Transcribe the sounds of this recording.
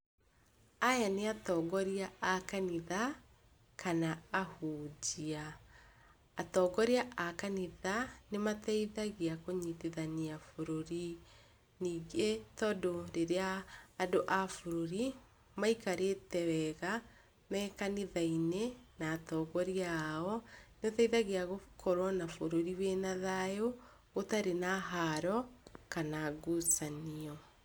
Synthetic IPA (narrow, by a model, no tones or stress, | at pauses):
ajaneatɔːɣɔɾiaakaniða | kanaːhuːd͡ʒia | tɔɡɔɾiaʔakaniðanematɛiðaɣiakoɲiteðaniafoɾoɾi | niːɡetɔdoɾeɾeaːdoʔafoɾoɾi | maikaɾetɛwɛɣa | mɛːkaniðainenatɔɣɔɾiaɔneotɛiðaɣeaɣokʰoɾwɔnafoɾoɾiwenaðajoː | taɾenaɦaɾɔkanaɡosaniɔ